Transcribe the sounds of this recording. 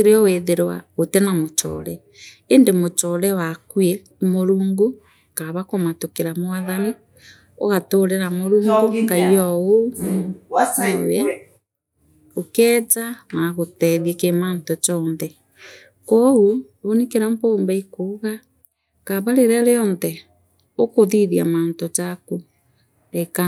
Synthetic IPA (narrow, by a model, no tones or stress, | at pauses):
ɾeɔweðeɾwa̰otɛnamot͡ʃɔ̰ɾɛ | endemot͡ʃɔɾɛwakwe | moɾuːŋɡu | kaβakomatokeɾamoaðani | o̰ɣatoɾeɾamoɾuːŋɡoɡaiɔo | aawɛ | okɛːt͡sanaɣotɛðiekemaːntot͡ʃɔnðɛ | kou | onikeɾampoːmbaikoɣa | kaβaɾeɾaɾeɔnðɛ | okoðiðiamaːntot͡ʃaku | eka